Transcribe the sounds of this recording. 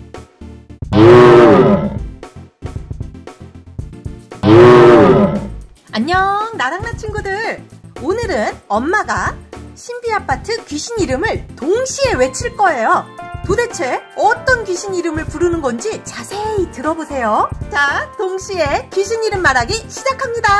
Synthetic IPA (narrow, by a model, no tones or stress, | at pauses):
aɲːʌnaɾaŋnat͡ɕʰinɡudɯɾonɯɾɯnʌmmaɡaɕʰimbiapʰatʰɯkɥiɕʰiɲiɾɯmɯɭtoŋɕʰie̞we̞t͡ɕʰiɭk͈ʌe̞jotode̞t͡ɕʰe̞ʌt͈ʌnkɥiɕʰiniɾɯmɯɭpuɾɯnɯnɡʌnd͡ʑit͡ɕasʰe̞itɯɾʌbosʰe̞jot͡ɕatoŋɕʰie̞kɥiɕʰiɲiɾɯmːaɾaɡiɕʰid͡ʑakʰamɲida